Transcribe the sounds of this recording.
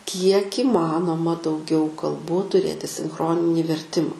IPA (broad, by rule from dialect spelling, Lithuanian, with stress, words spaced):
kʲiɛk iːˈmɑːnoːmɐ dɐʊˈɡʲɛʊ kɐlˠˈbuː tʊˈrʲeːtʲɪ sʲɪŋˈxroːnʲɪnʲiː ʋʲɛrʲˈtʲɪmɐ